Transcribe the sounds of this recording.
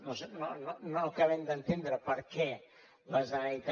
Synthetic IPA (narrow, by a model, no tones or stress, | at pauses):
nɔsnɔnɔnɔkavɛnd̪ant̪end̪əɾəpəɾkɛ | bazajt̪